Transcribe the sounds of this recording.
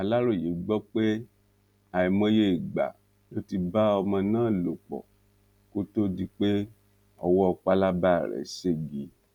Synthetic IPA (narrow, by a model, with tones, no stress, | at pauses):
a˨la˦ɾo˦˨je˨˦ɡ͡bɔ˦k͡pe˦ | a˨i˨mɔ̃˧je˧˨ɡ͡ba̰˨ | lo˦ti˧ba˦ɔ˧mɔ̃˧nãː˦˨lo˨k͡pɔ̰˨ | ko˦to˦di˦˧k͡pe˦ | ɔ˧wɔ˦˧k͡pa˧˦la˦ba˦˨ɾɛ̰˨se˦˨ɡi˨˦